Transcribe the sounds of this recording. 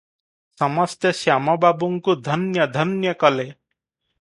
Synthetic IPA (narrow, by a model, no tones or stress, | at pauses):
sɔmɔst̪jʌsamɔbabuŋkud̪ʱʌnjʌd̪ʱʌnjʌkɔle